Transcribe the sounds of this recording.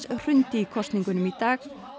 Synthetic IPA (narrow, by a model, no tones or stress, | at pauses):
sr̥ʏntikʰɔstnɪŋɡʊnəmɪd̪aɡ̥